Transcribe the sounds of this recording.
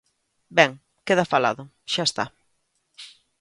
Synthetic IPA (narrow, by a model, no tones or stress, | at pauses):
bɛŋ | keðafala̰ðʊ | ʃaest̪a̰